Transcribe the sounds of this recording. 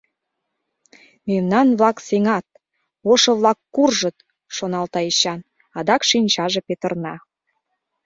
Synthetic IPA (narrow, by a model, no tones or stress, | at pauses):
memnɑnβlɑkseŋɑt̪̚ | oʃɤ̆βlɑkːurʒə̆t̪̚ | ʃonɑlt̪ɑiɕɑn | ɑd̪ɑkʃinʲt͡ɕɑʒepet̪ə̆rnɑ